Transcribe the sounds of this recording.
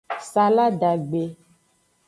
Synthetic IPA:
sa˨la˦ɖa˨ɡ͡be˨

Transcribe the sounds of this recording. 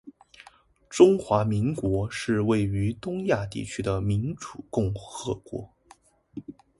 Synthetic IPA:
ʈ͡ʂʊ˥ŋxwa˧˥mi˧˥ŋkwɔ˧˥ʂɻ̩˥˧we˥˩ɪy˧˥t̪ʊ˥ŋja˥˧t̪ḭ˥˩t͡ɕʰy˥d̪ə˨mi˧˥nʈ͡ʂu̥˨˩kʊ˥˧ŋxɤ˧˥kwɔ̰˧˥

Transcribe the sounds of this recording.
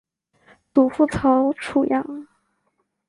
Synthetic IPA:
t̪u˨˩fu˥˩t͡sʰo˧˥ʊʈ͡ʂʰu˨˩jɑ˥˩˦ŋ

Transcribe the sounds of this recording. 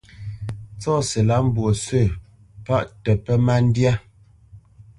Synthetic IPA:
t͡sɔ˦˨se˨la˦m̩˦bwo˨sə˦˨ | pa˦ʔtɛ˨pɛ˦ma˦n̩˦dja˦

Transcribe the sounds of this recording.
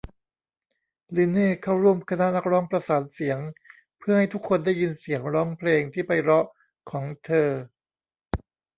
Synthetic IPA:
li˧neː˥˩kʰa˥˩wɾu˥˩əmkʰa˧na˦˥na˦˥k̚ɾɔː˦˥ŋpɾa˧saː˩˦n̚si˩˦əŋ | pʰɯ˥˩ɐha˥˩jt̪ʰu˦˥kʰːo˧ndaː˥˩jːi˧nsi˩˦əŋɾɔː˦˥ŋpʰleː˧ŋt̪ʰiː˥˩pa˧jɾɔ˦˥ʔ | kʰɔː˩˦ŋt̪ʰɤː˧

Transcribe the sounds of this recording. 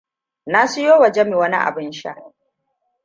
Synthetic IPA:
na˦sʊ˦joː˦wɐ˨d͡ʒe˦mi˨wɐ˦nḭ˦ʔa̰˨bɪ˦nʃa̰˦ʔ

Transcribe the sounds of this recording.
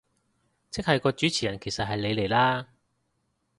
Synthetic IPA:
t͡sʰɪ˥k̚hɐ˨jkɔː˧t͡ʃyː˨˥t͡sʰiː˨˩jɐ˨˩nkʰe˨˩jsɐ˨t̚ɦɐ˨jle˨˧jle˨˩jlaː˥

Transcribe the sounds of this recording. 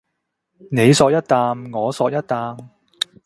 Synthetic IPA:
ne˨˧jsɔː˧k̚jɐ˥t̚t̪aː˧mŋɔː˨˧sɔː˧k̚jɐ˥t̚t̪aː˧m

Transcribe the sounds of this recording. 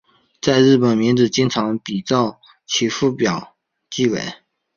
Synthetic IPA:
t͡sa˥˧ɪɻɻ̩˥˩pə˨˩nmi˧˥nʈ͡ʂɻ̩˨˩t͡ɕi˥nt͡sʰɑ˧˥ŋpi˨˩t͡sɑ˥˩ʊ | t͡ɕʰi˧˥fu˥˩pjɑ˨˩ʊ | t͡ɕi˥˩wḛ˨˩˦ɪ

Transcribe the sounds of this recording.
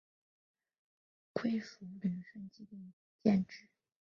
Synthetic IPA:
kʰwe˥ɪfu˧˥mi˨˩˥nʂə˥˧nt͡ɕi˥t̪ə˥˩ŋ | t͡ɕjɛ˥˧nʈ͡ʂɻ̩˥˩

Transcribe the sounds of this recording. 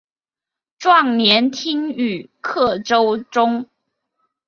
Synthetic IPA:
ʈ͡ʂwɑ˥˩ŋnjɛ˧˥nt̪ʰi˥ŋy˨˩kʰɤ˥˩ʈ͡ʂo˥ʊʈ͡ʂʊ˥ŋ

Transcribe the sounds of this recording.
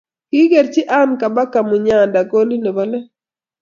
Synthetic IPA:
kɪ˦ɡe˨ɾt͡ʃi˦ʔa˦nka˨ba˦ka˨mu˨ɲa˨nda˨ɡo˦li˦ne˨ba˦lɛ˦

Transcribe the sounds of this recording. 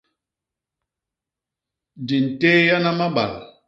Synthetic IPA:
di˨n̩˨te˦ja˦na˦ma˦ɓa̰˨l

